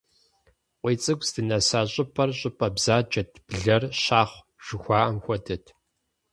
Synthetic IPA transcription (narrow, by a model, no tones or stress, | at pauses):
qʷiːt͡sʼɨɡʷʼsdɨnɐsaːɕʼɪpʰɐrɕʼɪpʰʼɐbz̥aːd͡ʒɐtʰb̥ɮɐrɕaːχʷ | ʒ̥ɪxʷɑːʔɐmxʷɔdʰɐtʰ